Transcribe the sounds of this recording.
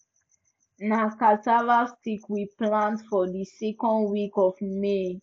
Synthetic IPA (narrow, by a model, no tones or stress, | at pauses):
nakatavastikwiplãntfɔdisɛkɔ̃ndwikɔfme